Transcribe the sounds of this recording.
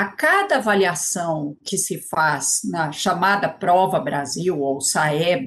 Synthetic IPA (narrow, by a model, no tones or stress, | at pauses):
akad̪ɐvaliasɐ̃w̃kɪsɪfaznɐʃamad̪ɐpɾɔvɐbɾaziwowsaɛb